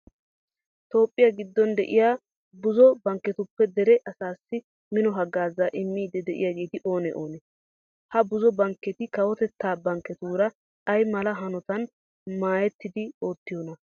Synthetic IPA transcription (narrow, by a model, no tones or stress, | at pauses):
t̪o̞ːpʼːɪjaɡɪd̪ːɔnd̪ɛ̰ʔɪ̰jaː | bʊzɔbɐŋkːɛt̪ʊpːɛd̪ɛɾɛʔɐsaːsːɪ | mɪnɔɦɐɡːaːzaːʔɪmːiːd̪ɛd̪ɛʔɪ̰jaɡe̞ːt̪ɪʔo̞ːnɛʔoːnɛ | hɐbʊzɔbɐŋkːɛt̪ɪkɐwɔt̪ɛt̪ːaːbɐŋkːɛt̪uːɾɐ | ɐjmɐlɐɦɐnɔt̪ɐn | maːjɛt̪ːɪd̪ɪo̞ːt̪ːɪjonɐ